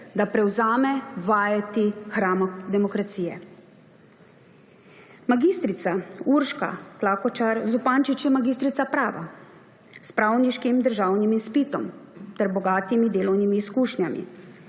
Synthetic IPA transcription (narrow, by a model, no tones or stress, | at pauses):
d̪apɾɛwzaːmɛʋaːjat̪ixɾaːmɔd̪ɛmɔkɾat̪siːjɛ | maɡiːst̪ɾit̪sauɾʃka̰klaːkɔt͡ʃaɾzupaːnt͡ʃit͡ʃjɛmaɡist̪ɾit̪sapɾaːʋa̰ | spɾaːwniʃkimd̪əɾʒaːwnimispit̪ɔmt̪ɛɾbɔɡaːt̪imid̪eːlɔwnimiːskuːʃnjamḭ